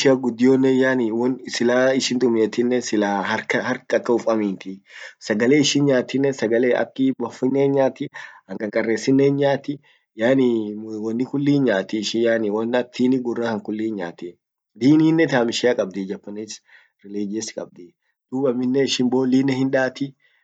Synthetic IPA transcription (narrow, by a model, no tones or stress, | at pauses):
ʃɪaɡʊd̪ːɪjoːnːɛjaːnɪwɔnsɪlaːɪʃɪnt̪ʼʊmeːt̪ɪnːɛsɪlaːɦɐɾkɐhɐɾkɐkːɐʊfɐmiːnt̪ɪsɐɡɐleːɪʃɪnɲaːt̪ːɪnːɛsɐɡɐleːʔɐ̰kːɪbɐfɪnːeːnɲaːt̪ɪhɐŋkʼɐŋkʼɐrːeːsːɪnːenɲaːt̪ɪ | jaːniwɐnːɪkʊlːiːnɲaːt̪ɪʃɪjaːnɪwɐnːɐt̪ʰiːnɪɡʊrːakɐŋkʊlːiːnɲa̰ːt̪ɪ | liːniːnːɛt̪aːmɪʃɪakʼɐb̚d̪id͡ʒɐpːɐniːs | ɾɪleːd͡ʒeskʼɐb̚d̪iː | d̪̥uːbɐmːɪnːɛɪʃɪmboːliːnːɛhɪnᶑaːt̪ɪ